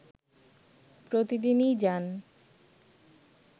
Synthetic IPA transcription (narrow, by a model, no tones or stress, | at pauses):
pɾot̪id̪inijd͡ʑan